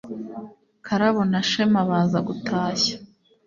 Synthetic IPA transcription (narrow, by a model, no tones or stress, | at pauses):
kʰaɾaβonaʃemaβaːzaɡutʰaːçḁ